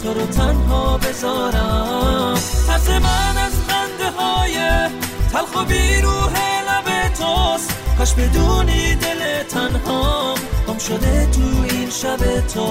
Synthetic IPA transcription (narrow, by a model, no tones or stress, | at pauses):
koɾot̪ʰænɦɒːbe̞zɒːɾæmhʰæsemænæzbænd̪eɦɒːjet̪ʰælxobiːɾuːɦelæbet̪ʰosqʰæʃbed̪uːnid̪e̞let̪ʰænɦɔɡ̥ɒmʃod̪et̪ʰuːinʃæbet̪ʰo